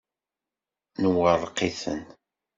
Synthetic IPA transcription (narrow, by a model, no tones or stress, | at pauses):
nəwərˤːqːiθə̰n